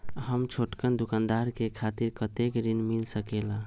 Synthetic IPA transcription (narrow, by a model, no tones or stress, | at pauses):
ɦəmt͡ʃʰoʈkənd̪ukand̪aɾkekʰat̪iɾkət̪ekɾinmilsəkela